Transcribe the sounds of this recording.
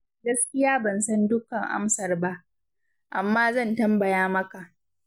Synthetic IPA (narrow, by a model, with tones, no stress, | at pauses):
ɡɐ˦skʲɪ˦jaː˦bɐ˨nsɐ˦ndʊ˦kɐ˨ŋʔa̰˦msɐ˨rba˦ʔ | ʔa˨mːaː˦zɐ˦˨ntɐ˦mbɐ˨jaː˦mɐ˦ka˨ʔ